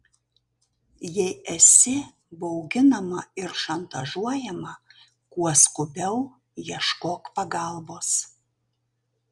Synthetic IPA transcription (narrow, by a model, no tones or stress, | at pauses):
jɛɪɛsʲɪ | bɐʊɡʲɪnɐmɐɪɾʃɐnt̪ɐʒuɔjɛmɐ | kuɔskʊbʲɛʊ | jiɛʃkoːkpɐɡɑˑlˠboːs